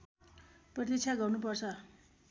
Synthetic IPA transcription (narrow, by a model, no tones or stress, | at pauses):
prʌt̪it͡sʰaɡʌrnupʌrt͡sʰʌ